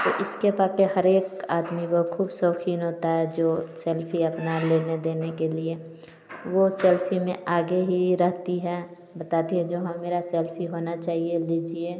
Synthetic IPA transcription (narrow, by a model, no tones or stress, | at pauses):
t̪oʔɪskepakeɦəɾeːkaːd̪mibokʰuːbsəːkʰiːnɦoːt̪aɦɛd͡ʒoːsɛːlpʰiəpnaleːned̪eːnekelie | ʋosɛːlpʰimẽʔaːɡeɦiɾəɦt̪iɦɛ | bət̪aːd̪iɦɛ̃d͡ʒoːɦãmeːɾasɛːlpʰiɦoːnat͡ʃaːɦielid͡ʒie